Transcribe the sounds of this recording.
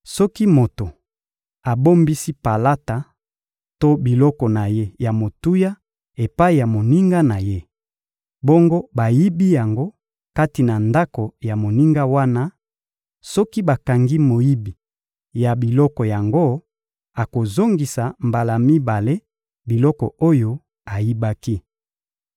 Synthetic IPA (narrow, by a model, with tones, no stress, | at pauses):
sɔ˦ki˦mo˨to˨ | a˨bo˦mbi˦si˦pa˨la˦ta˨ | to˦bi˨lɔ˦kɔ˨na˨je˦ja˨mo˨tu˦ja˦ | e˨pa˦i˨ja˨mo˨ni˦ŋɡa˦na˨je˦ | bɔ˦ŋɡo˦ba˨ji˦bi˦ja˨ŋɡo˦ | ka˦ti˨na˨nda˦ko˨ja˨mo˨ni˦ŋɡa˦wa˦na˦ | sɔ˦ki˦ba˨ka˨ŋɡi˦mo˨ji˦bi˨ | ja˨bi˨lɔ˦kɔ˨ja˨ŋɡo˦ | a˨ko˨zo˦ŋɡi˨sa˨mba˨la˨mi˦ba˨le˦ | bi˨lɔ˦kɔ˨o˦jo˦ | a˨ji˦ba˦ki˦